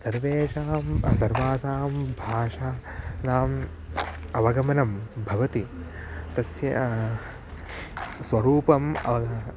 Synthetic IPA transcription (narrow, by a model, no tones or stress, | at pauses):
sɐɾʋeːʂaːmsɐɾʋaːsaːmbʱaːʂaːnaːm | ɐʋɐɡɐmɐnɐmbʱɐʋɐt̪it̪ɐsjɐ | sʋɐɾuːpɐmɐ̰ʋɐ